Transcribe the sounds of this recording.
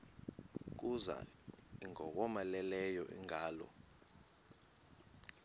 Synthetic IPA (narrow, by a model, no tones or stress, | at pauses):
k̬uza̰iŋɔk̬ɔmalɛlɛjɔʔḭŋʱaːlɔ̰